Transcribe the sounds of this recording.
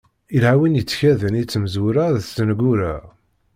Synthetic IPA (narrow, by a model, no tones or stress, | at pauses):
ilhæwinjət͡sːçæðənit͡sːməzuɾæðst̪ənɡʷuɾæʁ